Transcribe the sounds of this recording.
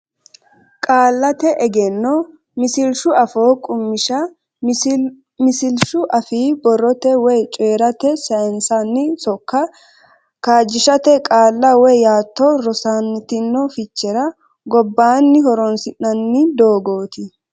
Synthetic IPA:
kʼaːlːɐt̪ɛʔɛɡɛnːɔ | mɪsɪlʃʊɐfoːkʼʊmːɪʃɐ | mɪsɪlʃʊʔɐfiːbɔrːɔt̪ɛwɔjt͡ʃʼeːɾɐt̪ɛsɐɛnsanːɪsɔkːɐ | kaːd͡ʒːɪʃɐt̪ɛkʼaːlːɐwɔjjaːt̪ːɔɾɔsanːɪt̪ɪnːɔfɪt͡ʃːɛɾɐ | ɡɔbːaːnːɪhɔɾɔnsɪnːɐnːɪd̪oːɡo̞ːt̪ɪ

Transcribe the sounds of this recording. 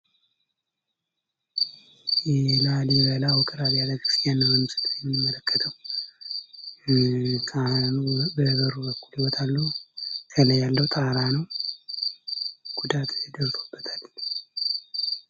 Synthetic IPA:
jɛlaliβəlawɔkʼəɾaβiad̪əɡkʰɨ̥st̪janːəwbəmːɨsɨ̥t̪ʰʼːət̪jɛmːimːələkːət̪ʰəw | kʰanbəhɡəɾubəkːuliwɔt̪ʰʼalːusʰələjalːəwt̪ʼaɾanəw | ɡ̥ud̪at̪ʰʼɨd̪əɾt̪ʰo̞bːət̪ʰal

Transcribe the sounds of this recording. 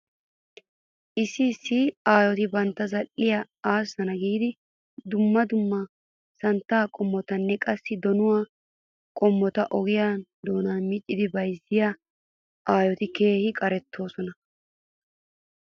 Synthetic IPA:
ʔɪsːɪːsːɪaːjɔt̪ɪbɐnt̪ːɐzɐlːɪjɐ | aːsːɐnɐɡiːd̪ɪ | d̪ʊmːɐd̪ʊmːɐ | sɐnt̪ːaːkʼɔmːɔt̪ɐnːɛkʼɐsːɪd̪ɔnʊwaː | kʼɔmːɔt̪ɐʔɔɡɪjad̪oːnɐmɪt͡ʃʼːɪd̪ɪbɐjzːɪja | ʔaːjɔt̪ɪke̞ːhɪkʼɐɾɛt̪ʰːo̞ːsɔnɐ

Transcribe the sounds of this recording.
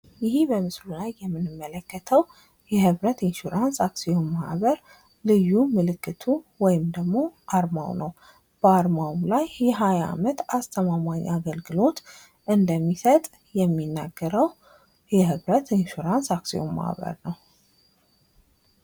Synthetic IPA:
jɪhibəmɨslulajːɛmːɨnɨmːələkːət̪ʰəw | jɛhɨβɾət̪inʃuɾansaksijo̞mːahβəɾ | lɨjːumɨlɨkːɨt̪ʰuwɔjɪmd̪əɡmo̞ʔaɾma̰wnəw | b̥əaɾmawlajːɛɦaja̰mət̪ast̪ʰəmamaɲaɡəlɡɨlo̞t̪ | ʔɨnd̪əmːisət̪ʼ | jɛmːinːaɡːəɾəw | jɛhɨβɾət̪inʃuɾansaksijo̰mːa̰hβə̰ɾnəw

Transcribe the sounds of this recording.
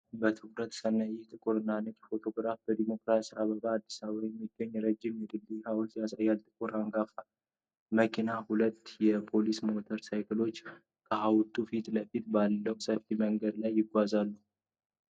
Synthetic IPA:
bət̪ʰɨkɾət̪sənːajɛht̪ʼɨkʼuɾɨnːanət̪ɛfo̞t̪ʰo̞ɡɾafb̥əd̪imo̞kɾasiaβəɡʼaːd̪ːisaβajɛmːiɡ̥ːəɲːɛɾəd͡ʒːɪmjɛd̪ɨlːihawlt̪jasajalt̪ʼɨkʼuɾaŋɡafa | məkʰinahulət̪ːjɛpʰo̞lismo̞t̪ʰəɾsajkɨlo̞t͡ʃː | kʼʰəhawt̪ʼufit̪ʼləfit̪balːəwsəft̪iməŋɡəd̪lajːɪɡʷazalːu

